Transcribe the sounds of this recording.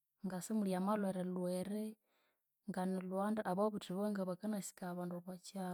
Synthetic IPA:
ŋɡasemuljamalweɾelweɾe | ŋɡanilwandaʔaβaβutiβoŋɡaβakanasi̥kaβaːnduβat͡ʃa

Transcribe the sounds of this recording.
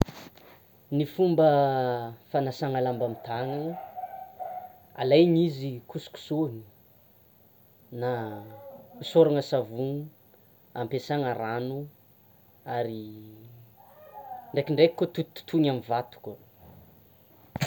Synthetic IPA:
nifumbə | fanasaŋalambamit̪aŋanə | a̰lajɲizikʰusu̥ku̥soni̥ | na | usoɾaŋəsavuŋ | ampesaŋaɾanu | aɾi | ɳɖ͡ʐekiɳɖ͡ʐekikːot̪ut̪ːu̥t̪ʰunamivat̪u̥kə

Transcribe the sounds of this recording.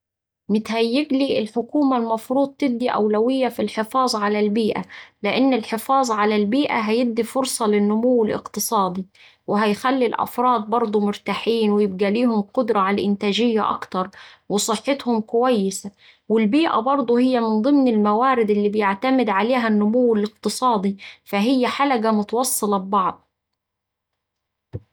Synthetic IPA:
mɪt̪hæjːɪɡliːʔɪlħʊkuːmalmɑfɾuːd̪̚ˤt̪ɪb̚d̪iʔæ̰wlæwɪjːafilħɪfɑːzˤʕalælbiːʔa̰lɪʔɪnːɪlħɪfɑːzˤʕalælbiːʔa̰ɦæjɪb̚d̪ifʊɾsˤɑlɪnːʊmʊwːɪlʔɪ̰qt̪ɨsˤɑːd̪i | wɪɦæjxælːilʔæ̰fɾˤɑːd̪̚ˤbɑɾˤd̪ˤumʊɾt̪aːħiːnwɪjɪb̚ɡæliːhʊmqʊd̪ɾˤɑʕalʔɪnt̪æːʒɪjːa̰ʔɑ̰kt̪ɑɾˤwɪsˤɨħːet̪hʊmkʊwæjːɪsæ | wɪlbiːʔæ̰bɑɾˤd̪ˤuhɪjːæmɪnd̪ˤɨmnɪlmæwaːɾɪd̪ɪlːiːbɪjaʕt̪æmɪd̪ʕaleːɦænːʊmʊwːɪlɪq̚t̪ɨsˤɑːd̪ˤifæɦɪjːæħalæɡæmʊt̪ɑwɑsˤːɨlɑbbɑʕd̪ˤ

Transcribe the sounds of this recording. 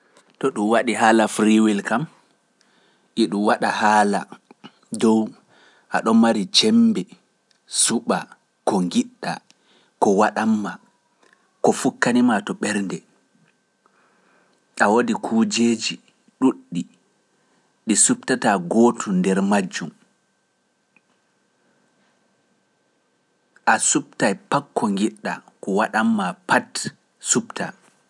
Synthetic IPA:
tɔɗumwaɗiɦaːlafɾiwilkam | ɗiɗumwaɗahaːla̰ | dɔw | ʔa̰ɗɔmaɾit͡ʃɛmbɛ | suɓa | kɔŋɡiɗːa̰ | kɔwaɗamːa | kɔfukːanimatɔɓɛɾndɛ | ʔawodikʰuːd͡ʒed͡ʒi | ɗuɗːi | ɗisup̚tataɡotudɛɾmad͡ʒːum | ʔasup̚tajpakːɔŋɡiɗːakɔwaɗamːapat | supta̰

